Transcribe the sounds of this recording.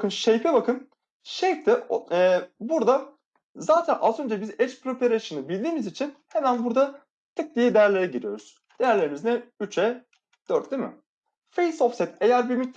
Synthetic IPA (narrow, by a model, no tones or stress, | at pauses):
kɯnʃejpʰɛbakʰɯn | ʃɛjpt̪ʰɛː | buɾd̪a | zaːt̪ʰænʔazø̞nd͡ʒɛbizɛt͡ʃpɾopʰeɾeʃɯnɯbilʲd̪iːmizit͡ʃʰinhe̞mænbuɾd̪a | t̪ʰɯk̚d̪ijɛd̪ejæɾlʲeɾɛɟiɾijo̞ɾuz̥ | d̪̥ejæɾlʲe̞ɾimiznɛyt͡ʃɛ | d̪̥øɾt̪̚d̪imɪ̰ | fejsoftsɛt̪ʰejæɾbiɾmyt̪̚ː